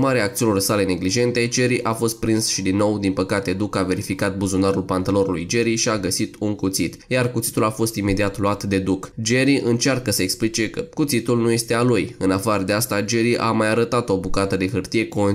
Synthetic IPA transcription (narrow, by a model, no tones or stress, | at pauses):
maɾeaːk̚t̪iunursale̞ne̞ɡliʒe̞nt̪e̞d͡ʒeɾiʔafo̞st̪̚pɾinsʃid̪inːo̞wd̪inpəkat̪e̞d̪ukave̞ɾifikat̪̚buzunaɾulpant̪əlo̞ɾulṵjd͡ʒe̞ɾiʃiaɡəsit̪uŋkut̪sit̪jarkut̪si̥t̪ulafo̞st̪ime̞d̪iat̪luat̪d̪e̞d̪ukd͡ʒe̞ɾiʔɨnt͡ʃarkəsəeksplit͡ʃe̞kəkut̪sit̪ulnuje̞st̪ealujɨnafaɾəd̪east̪ad͡ʒe̞ɾiʔa̰majaɾət̪at̪o̞bukat̪əd̪e̞xɨrt̪ije̞kon